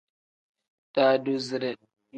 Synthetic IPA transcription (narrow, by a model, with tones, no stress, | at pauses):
ta˨du˦˨zɾɛ˨